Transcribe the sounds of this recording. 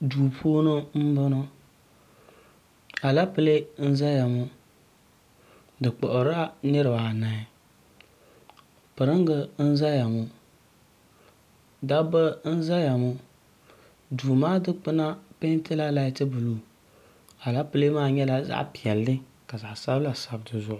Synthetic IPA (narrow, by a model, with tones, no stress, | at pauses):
duː˨pʰoː˦nʊ˦m̩˦bʊ˦nʊ˦ | a˨la˦pɨ˦le˦n̩˦za˦ja˨mʊ˦ | dɨ˨k͡pɔ˨ʔɾa˦nɪ˦ɾɨ˨ba˨na˨ɪ˨ | pɨ˨ɾɨ˦ŋ˦ɡə˦n̩˦za˦ja˨mʊ˨ | da˦bə˦n̩˦za˦ja˨mʊ˦ | du˨maː˦dɨ˦k͡pɨ˦na˦pe˦n˦tɪ˦la˦la˦i˦tɨ˦bɨ˨lu˨ | a˨la˦pɨ˦le˦maː˦ɲɛ˦la˦za̰˦ʔpi˨ɛ˨lːɪ˦ | ka˨za˨sa˦bla˨sa˨bdɨ˨zʊ˨ʔ